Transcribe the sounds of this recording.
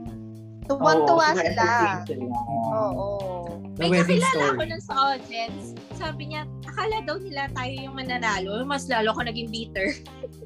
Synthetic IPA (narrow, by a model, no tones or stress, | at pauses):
t̪uwant̪ʊwala | ʔoːʔo | mɐjɐpɪlaːlɐɐkononsɐʔoːd̪jɛnsː | aːbɪɲanɐkaːlɐd̪ɐwnɪlat̪aːjojʊŋmɐnɐnaːlo̞jʊŋmɐslaːloʔɐko̞nɐɡɪŋbiːt̪ɛɹ